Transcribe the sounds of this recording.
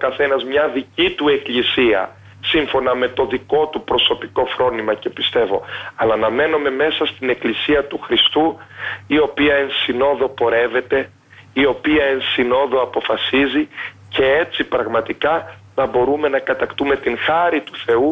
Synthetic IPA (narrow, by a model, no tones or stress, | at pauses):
okɐθe̞nɐzmɲɐðicit̪ue̞klisiɐ̰ | siɱfo̞nɐme̞t̪o̞ðiko̞t̪upɾo̞so̞piko̞fɾo̞nimɐce̞pist̪e̞vo̞̰ɐlɐnɐme̞no̞me̞me̞sɐst̪ine̞klisiɐt̪uxɾist̪uio̞piɐe̞nsino̞ðo̞po̞ɾe̞ve̞t̪e̞ | io̞piɐensino̞ðo̞ɐpo̞fɐsizi | ce̞e̞t͡sipɾɐɣmɐt̪ikɐnɐbo̞ɾume̞nɐkɐt̪ɐkt̪ume̞t̪iŋxɐɾit̪u̥θe̞u